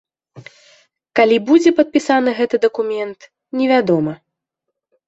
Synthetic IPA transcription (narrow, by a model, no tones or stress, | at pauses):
kalʲibud͡zʲɛpɐt̪̚pʲisanɨɣɛt̪ɨd̪ɐkumʲɛnt̪ | nʲɛvʲad̪ɔmɐ